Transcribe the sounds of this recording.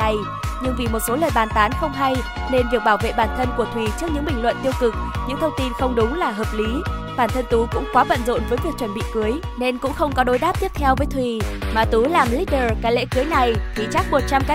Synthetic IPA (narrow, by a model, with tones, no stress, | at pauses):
a˨˩j | ɲɨ˧ŋvi˨˩mo˨˩t̚so˨˦ləː˨˩jɓaː˨˩nt̪aː˨˦nxə˧wŋ͡mɦa˧j | ne˧nvi˨˩ək̚ɓaː˧˩wvḛ˧˨ɓaː˧˩nt̪ʰə˧nku˧˩ət̪ʰwi˨˩t͡ɕɨ˦˥əɲɨ̰˧˥ŋɓï˨˩ŋ̟lwə̰˧˨nt̪i˧əwkɨ˨˩k̚ɲɨ̰˧˥ŋt̪ʰə˧wŋ͡mt̪i˧nxə˧wŋ͡mɗʊ˨˦ŋ͡mlaː˨˩ɦəː˨˩p̚li˨˦ | ɓaː˧˩nt̪ʰə˧nt̪u˨˦kʊ̰˧˥ŋ͡mkwaː˨˦və̰˧˨nzo̰˧˨nvəː˨˦jvi˨˩ək̚t͡ɕwə˧˩nɓḭ˧˨kɨ˨˦əj | ne˧nkʊ̰˧˥ŋ͡mxə˧wŋ͡mkɔ˨˦ɗo˨˦jɗaː˦˥p̚t̪i˦˥p̚t̪ʰɛ˧wvəː˨˦jt̪ʰwi˨˩maː˨˩t̪u˨˦laː˨˩mli˦˥ɗəː˨˩kaː˨˦jlḛ˧˥kɨ˨˦jna˨˩jt̪ʰi˨˩t͡ɕa˦˥k̚mo˨˩t̚t͡ɕa˧mka˦